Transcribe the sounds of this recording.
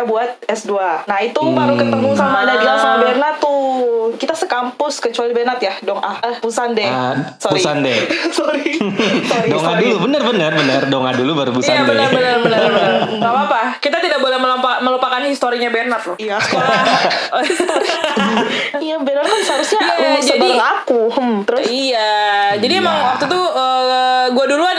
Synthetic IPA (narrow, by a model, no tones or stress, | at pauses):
abuat̪̚ɛsduanait̪ubaɾukət̪əmusamadadiaŋsamabernat̪ːukit̪asəkampʊskət͡ʃualibɛnat̪jadɔŋʔahəhpusandɛsoɾisandɛsoɾi | ɾidɔŋadulubənərbənərbənərdɔŋadulubaɾupusaabənərbənərbənərbənərŋapaːpakit̪at̪idak̚bolɛhməlapaməlupakanhist̪oɾiɲabenat̪̚lʊijasəkolaosɾi | ijabenat̪̚kanshaɾʊsɲaammad͡ʒadilakuhəmt̪əɾʊsijad͡ʒadiemaŋwak̚t̪ut̪uəɡuadulua